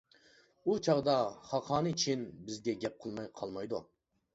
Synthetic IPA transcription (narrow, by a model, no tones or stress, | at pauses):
ut͡ʃʰɑʁd̪ɑχɑqʰɑːnɨt͡ʃʰinbɪzɡʲɛɡʲɛp̚qʰəlˠmɑjqʰɑlˠmɑjd̪u